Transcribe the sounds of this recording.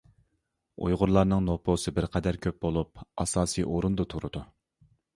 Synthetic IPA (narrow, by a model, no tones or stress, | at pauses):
ṵjʁʊɾlˠɑɾnɨŋnopʰosɨbɪɾqʰɛd̪æɾkʲʰøp̚bolˠup̚ɑ̰sɑːsijʔoɾund̪ɑt̪ʰuɾɨd̪u